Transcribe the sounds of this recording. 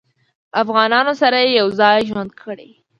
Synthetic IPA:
afɣɑnɑnosaɾajejawzɑjʒwand̪kʰəɽḛ

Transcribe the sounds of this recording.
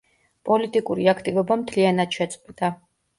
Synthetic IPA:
pʼɔlit̪ʼikʼuɾiakʰt̪ʼivɔbamt̪ʰlianat̪ʃɛt̪sʼqʼwɛd̪̥a

